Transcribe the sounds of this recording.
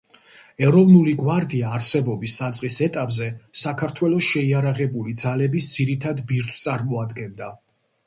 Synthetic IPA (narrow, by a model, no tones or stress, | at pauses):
ɛɾɔvnuliɡwaɾd̪iaːɾsɛbɔbisːat̪sʼqʼisɛt̪ʼapʼzɛsakʰaɾt̪ʰwɛlˠɔsʃɛiaɾaʁɛbulid̪z̥alɛbisd̪z̥iɾit̪ʰad̪biɾt̪ʰt̪sʼaɾmɔad̪ɡɛnd̪a